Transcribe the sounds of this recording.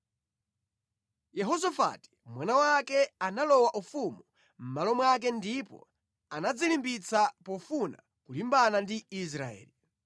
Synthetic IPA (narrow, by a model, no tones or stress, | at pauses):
jɛɦɔsafa̰ti̥mwanawakɛanalɔwaʔufumu | m̩malɔmwak̬ɛndipɔ̰ | anad͡zilimbit͡sapɔfuna̰ | kulimbanandiis̬ɾaɛ̰ːli